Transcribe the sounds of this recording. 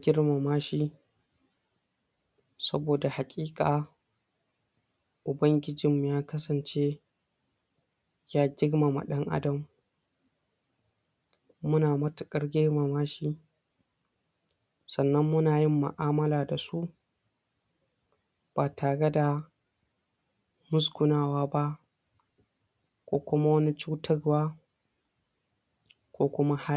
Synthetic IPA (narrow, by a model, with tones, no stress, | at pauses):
ɡʲɪ˦rma˨maː˦ʃi˦ | sɐ̰˦boː˨da˨ha˨kʲʼiː˦kʼaː˨ | ʔʊ˨bɐ˦ŋɡʲɪ˦d͡ʒɪ˨m˨jaː˦kɐ˦sɐ˨nt͡ʃeː˦ | jaː˦ɡʲɪ˦ɽma˨ma̰˨ɗɐ˦ŋʔa̰˦dɐ˨m | ʊ˦naː˨mɐ˦tʊ˨kʼɐ˦rɡʲɪ˦rma˨maː˦ʃi˦ | sɐ˨nːɐ˦mːʊ˦naː˨jɪ˦mːʊ̰˨ʔaː˦mɐ˦laː˨da˨su˦ | b̥aː˨tʰaː˨ɽe˦da˨ | mʊ˦skʷʊ˨naː˦˨waː˦ba˦ʔ | kʷoː˦kʷʊ˦ma˦wɐ˦ni˦t͡ʃuː˦tɐ˦rwaː˦ | kʷoː˦kʷʊ˦ma˦ha˦